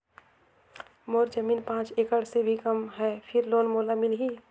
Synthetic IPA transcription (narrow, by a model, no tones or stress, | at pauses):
moːɾd͡ʒəmiːnpãːt͡ʃeːkəɽsebʱikəmɦɛːpʰɪɾloːnmoːlamɪlɦiː